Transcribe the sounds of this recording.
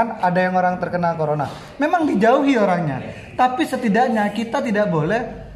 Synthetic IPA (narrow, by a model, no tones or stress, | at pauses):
nadajaŋoɾaŋt̪ərkənalkoɾona | memaŋdid͡ʒauɦioɾaŋɲa̰ | t̪apisət̪idaʔɲakit̪at̪idaʔbolɛh